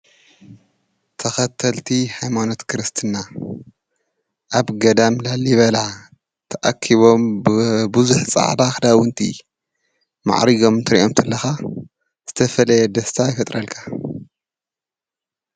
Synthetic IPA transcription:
t̪ʰɐxɐt̪ʰːɐlt̪ʰihajmano̞t̪kʰɨɾɨst̪ʰɨna | ʔaβɡɐd̪amlaliβɐla | t̪ʰɐʔa̰kʰiβo̞mbbuzuħt͡sʼa̰ʕd̪axd̪awɨnt̪ʰḭ | ma̰ʕɾiɡo̞mnt̪ʰɨɾḭʔomt̪ʰɨlːɐxa | z̥ɨt̪ʰɐfɐlɐjɛd̪ɐst̪ʰajfɐt̪ʼɾɐlkʰḁ

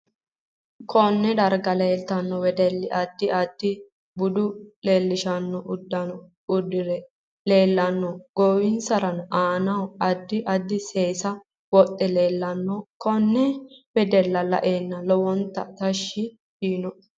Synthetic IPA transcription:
kʰɔnːɛd̪ɐɾɡɐleːlt̪ɐnːɔwɛd̪ɛlːɪʔɐd̪̥ːɪɐd̪̥ːɪ | bʊd̪ʊleːlːɪʃɐnːɔʔʊd̪ːɐ | ʊd̪ɪɾɛ | le̞ːlːɐnːɔɡ̥oːwɪnsɐɾɐnʔaːnɐwɐd̪ːɪʔɐd̪ːɪseːsɐ | wɔt̪ʼːɛleːlːɐnːɔkɔnːɛwɛd̪ɛlːɐlɐ̰ʔeːnːɐlɔwɔnt̪ːɐ̰t̪ɐʃːɪ | fiːnɔ

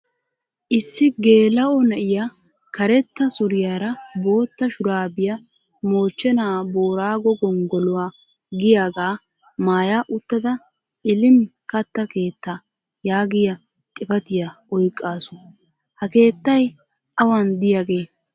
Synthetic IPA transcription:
ʔɪsːɪɡe̞ːlɐʔɔnɐʔɪja | kɐɾɛt̪ːɐsʊɾɪjaːɾɐbo̞ːt̪ːɐʃʊɾaːbɪjɐ | mo̞ːt͡ʃːɛnaːbo̞ːɾaːɡɔɡɔŋɡɔlʊwaː | ɡɪjaːɡaː | maːjaʔʊt̪ːɐd̪ɐ | ɪlɪmkɐt̪ːɐke̞ːt̪ːa | jaːɡɪjɐ | t̪ʼɪpɐt̪ɪjaʔɔjkʼːaːsʊ̥ | hɐke̞ːt̪ːɐj | ʔɐwɐnd̪ɪjaɡe̞ː

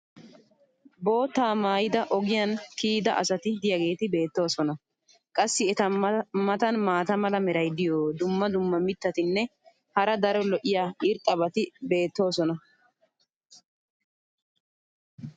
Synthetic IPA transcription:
bo̞ːt̪ːaːmaːjɪd̪ɐʔɔɡɪjɐnkiːd̪ɐʔɐ̰sɐt̪ɪd̪ɪjɐɡe̞ːt̪ɪbe̞ːt̪ːo̞ːsɔnɐ | kʼɐsːɪɛt̪ɐmɐt̪ɐnmaːt̪ɐmɐlɐmɛɾɐjd̪ɪjoːd̪ʊmːɐd̪ʊmːɐmɪt̪ːɐt̪ɪnːɛ | hɐɾɐd̪ɐɾɔlɔʔɪjaːɪɾt̪ʼːɐbɐt̪ɪbe̞ːt̪ːo̞ːsɔnɐ

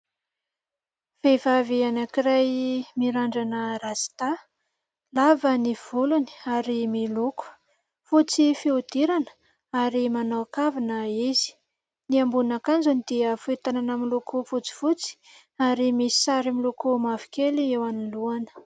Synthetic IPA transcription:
v̥evavianakiɾajmiɾaɳɖ͡ʐanəɾazi̥t̪a | lavəniv̥uluni̥aɾimiluku̥ | fut͡sifiud̪iɾanə | aɾimanaakavinəizi̥ | niambunakand͡zunid̪̥iəfuit̪ananamilukufut͡si̥fut͡si̥ | aɾimisi̥saɾimilukumavi̥kʲeliewaniluanə̥

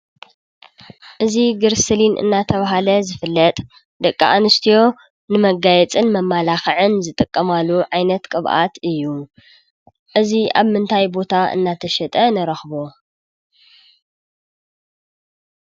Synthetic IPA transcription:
ʔɨziɡɨɾsɨlinʔɨ̰nːat̪ʰɐβaɦalɐzɨfɨlːɐt̪ʼ | d̪ɐkʼːa̰ʔanɨst̪ʰijo̞ | nɨmɐɡajɛt͡sʼɨnmɐmːalaxɐʕɨnzɨt̪ʼɨkʼːɐmalːuʕajnɐt̪kʼɨβʔa̰t̪ɨjːu | ʔɨziaβmɨnt̪ʰajbo̞t̪ʰaɨ̰nːat̪ʰɐʃɐt̪ʼɐnɐɾɐxbo̞

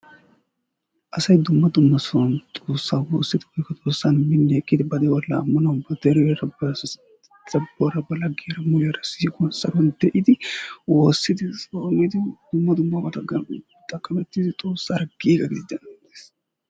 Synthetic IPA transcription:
ʔɐsɐjd̪ʊmːɐd̪ʊmːɐsɐnt̪ʼo̞ːsːaːwoːsːɪd̪ɪbɛkːɐt̪ʼoːsːanmɪnːɛːkʼːɪd̪ɪbɐd̪ɛwɔlːɐːmːɐnɐwbɐd̪ɛɾɔɛɾɐbɐ | z̥ɐbːɔɾɐbɐlɐɡeːɾɐmʊlɛɾɐsiːkʼʊɔnsɐɾɔnd̪ɛʔɪd̪ɪwoːsːɪd̪ɪsomɪd̪ɪd̪̥ʊmːɐd̪ʊmːɐmɐt̪ɐɡɐ | t̪ʼɐkʼːɐmɛt̪ːid̪ɪt̪ʼo̞ːsːaɾɡiːɡɐɡɪd̪ɪd̪ɐnɐd̪es

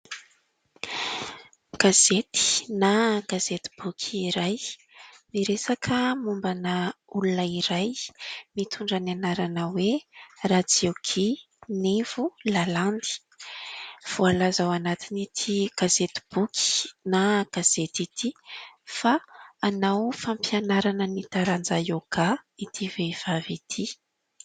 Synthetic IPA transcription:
ɡ̥azet̪i̥naɡ̥azet̪i̥b̥ukʲʰiːɾaj | miɾesakʰəmumbanəulunəiɾajmit̪ʰuɳɖ͡ʐananaɾanəwerad͡zioɡʰi | nev̥ulaland̪i̥ | v̥ualazawanat̪init̪ʰiɡ̥azet̪i̥b̥ukʰi̥naɡ̥az̥et̪it̪ʰifaːnawfampjanaɾanənit̪aɾand͡zajoɡait̪ʰivev̥avit̪ʰi

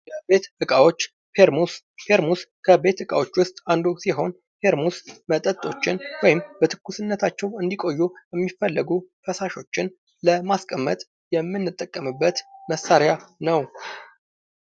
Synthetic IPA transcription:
jəbe̞t̪ʔɨkʼawo̞t͡ʃː | pʰe̞ɾmus | pʰe̞ɾmuskʰəbe̞t̪ɨkʼawo̞t͡ʃːwʊst̪ʼand̪osiɦo̞n | pʰe̞ɾmusmət̪ʼət̪ʼo̞t͡ʃːɪnwɔjɪmbət̪ʰɨ̥kːusɨnːət̪ʰat͡ʃːɛwɨnd̪ikʼo̞jːujɛmːifːəlːəɡufəsaʃo̞t͡ʃːɪn | ləmaskʼəmːət̪ʼ | jɛmːɨnːɨt̪ʼːəkʼːəmɨbːət̪məsːaɾjanəw

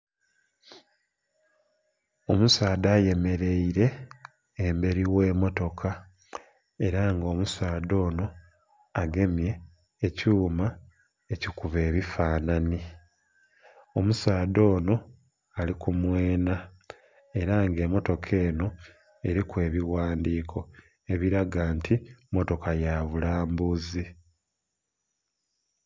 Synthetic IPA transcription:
o̞musaːd̪aːje̞me̞ɾe̞iɾe̞ː | mbe̞ɾiwe̞ːmo̞to̞kʰa | e̞ɾaŋɡo̞ːmusaːdo̞ːno̞ | aɡe̞mje̞ː | cuːma | ecikuβe̞ːβifaːnani | o̞musaːd̪o̞ːno̞ | alikumwe̞ːna | e̞ɾaŋɡe̞mo̞to̞kʰe̞ːno̞ | e̞ɾikwe̞ːβiwaːndiːkʰo̞ | e̞βiɾaɡaːntʰimo̞to̞kajaːβulaːmbuzi

